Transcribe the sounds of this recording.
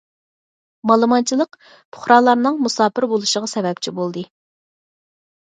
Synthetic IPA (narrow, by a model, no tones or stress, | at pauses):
mɑlˠɨmɑnt͡ʃʰilˠəq | pʰʊ̥χɾɑlˠɑɾnɨŋmusɑːpɪɾbolˠuʃəʁɑsɛbɛp̚t͡ʃʰibolˠd̪ɨ